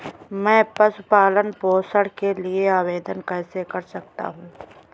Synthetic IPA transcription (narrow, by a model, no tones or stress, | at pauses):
mɛ̃ːpɐsʊpaːlənpoːsəɽkelieaːʋeːd̪ənkɛːsekɐɾsɐk̚t̪a̰ɦũː